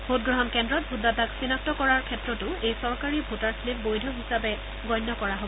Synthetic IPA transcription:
bot̚ɡɹɔɦɔnkɛndɹɔt̚bʱudːataksinak̚tɔkɔɹaɹkʰɛtɹɔtʊejsɔɹkaɹibʱutaɹslip̚bojdʱɔɦisabɛ | ɡɔjnːɔkɔɹaɦo

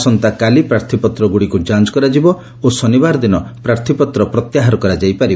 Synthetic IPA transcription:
sɔnt̪akalipɾaɾt̪ʰipɔt̪ɾɔɡuɽikud͡ʒant͡ʃɔ̥kɔɾad͡ʒibɔ | osɔnibaɾɔd̪inɔpɾaɾt̪ʰipɔt̪ɾɔpɾɔt̪jaɦaɾɔkɔɾad͡ʒajpaɾiɔ

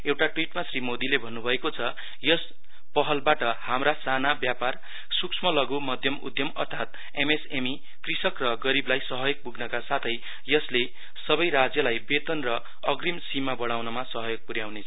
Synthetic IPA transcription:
ewʈaʈwiʈmasrimod̪ilebʱʌnːubʱʌekot͡sʰʌ | jʌs | pʌɦʌlbaʈʌhamrasanabjapar | suksʰmʌlʌɡumʌd̪ʱjʌmṵd̪ʱjʌmʌ̰rt̪ʰat̪̚ | emesemi | krisʌkrʌɡʌɾiblajsʌɦʌjoɡ̚puɡnʌkasat̪ʰʌj | jʌsle | sʌbʌjɾad͡zjʌlajbet̪ʌnrʌ | ʌɡrimsimabʌɽ̃awnʌmasʌɦʌjoɡ̚puɾjawnet͡sʰʌ

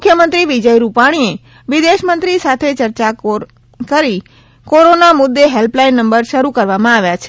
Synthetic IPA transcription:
mʊkʰːjəmənt̪ɾiʋid͡ʒəjɾupaɽ̃ie | ʋid̪eʃmənt̪ɾisat̪ʰet͡ʃəɾt͡ʃa | kəɾi | koɾonamʊd̪ːeɦelplainːəmbəɾʃəɾukəɾʋamãaʋjat͡ʃʰe̥

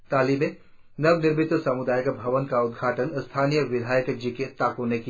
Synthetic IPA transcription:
t̪aːlimẽ | nɐʋnɪɾmɪt̪ʋəsɐmud̪aːjəkbʱɐʋənkaʊd̪ɡʱaːʈənst̪ʰaːniːjəʋɪd̪ʱaːjəkd͡ʒiket̪aːkõneki

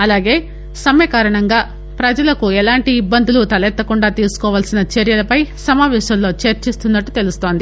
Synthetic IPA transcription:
ɐlaːɡe̞ː | sɐmjɐkaːɾɐɳɐŋɡaː | pɾɐd͡ʒɐlɐkuɛlaːɳʈiːbːɐnd̪ulut̪ɐlɛt̪ːɐkuɳɖaːt̪iːsu̥kɔːʋaːlsinɐt͡ʃeɾjɐlɐpɐjsɐmaːʋɛːʃɐmlo̞ːt͡ʃɐɾt͡ʃist̪unːɐʈːut̪e̞lust̪o̞ːnd̪i

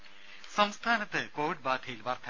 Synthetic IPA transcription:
sɐmst̪ʰaːnɐt̪ːɨkoːʋiɖ̚baːd̪ʱʰɐjilʋɐrt̪ʰɐ

